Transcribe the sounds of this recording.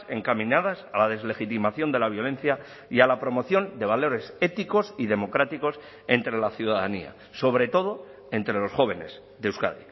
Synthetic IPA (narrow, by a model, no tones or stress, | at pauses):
e̞ŋkamĩnað̞asalað̞e̞zle̞xit̪imaθjo̞nd̪e̞laβ̞jo̞lẽ̞n̟θja | ialapɾo̞mo̞θjo̞nd̪e̞βalo̞ɾe̞se̞t̪iko̞siðe̞mo̞kɾat̪iko̞s | e̞nt̪ɾe̞laθjuðaðanḭa̰ | so̞β̞ɾe̞t̪o̞ð̞o̞ | e̞nt̪ɾe̞lo̞sxo̞β̞e̞ne̞z | ðeuska̰ðḭ